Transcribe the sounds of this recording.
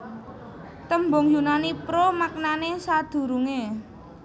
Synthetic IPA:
t̪əmbʊŋjunanipɾomak̚nanesad̪̥ṳɾuŋe

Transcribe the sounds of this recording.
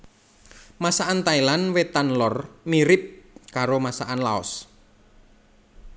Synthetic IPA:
masaʔant̪ailanwet̪anlɔrmiɾɪp̚kaɾomasaʔanla̰ɔ̰s

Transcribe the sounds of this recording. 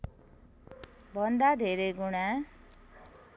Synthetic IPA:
bʱʌnd̪ad̪ʱeɾʌjɡuɽ̃a

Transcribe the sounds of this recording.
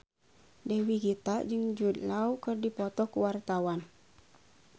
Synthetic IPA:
dɛwiɡit̪ad͡ʒɨŋd͡ʒud̪laukərdipɔt̪ɔkuwart̪awan

